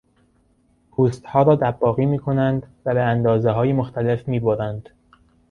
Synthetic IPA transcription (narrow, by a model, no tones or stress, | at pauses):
pʰuːst̪hɒːɾɒːd̪æbːɒːɣiːmiːkʰo̞nænd̪væbeænd̪ɒːzeɦɒːjemoxt̪ælefmiːboɾænd̪̥